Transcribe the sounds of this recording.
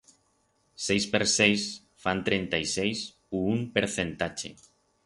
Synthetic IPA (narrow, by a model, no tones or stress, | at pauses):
sejspeɾsejs | fant̪ɾent̪ajsejs | uumpeɾθent̪at͡ʃḛ